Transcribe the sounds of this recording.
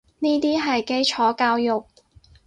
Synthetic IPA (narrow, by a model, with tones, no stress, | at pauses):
niː˥t̪iː˥ɦɐ˨jke˥jt͡ʃʰɔː˨˥kaː˧wjʊ˨k̚